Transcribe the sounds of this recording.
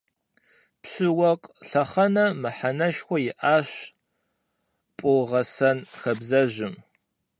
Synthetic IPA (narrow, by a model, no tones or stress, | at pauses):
pɕɨwɐqʼɬɐχɐnɐmɨħanɐʃxʷɔjɪʔaːɕ | pʷʼoʁɐsɐnxɐbzɐʑɪm